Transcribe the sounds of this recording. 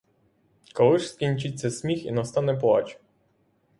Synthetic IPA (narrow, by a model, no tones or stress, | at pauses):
kɔlˠɪʃskʲinʲt͡ʃɪt͡sʲːɐsʲmʲixḭnɐst̪ɑnɛp̬lˠɑ̰t͡ʃ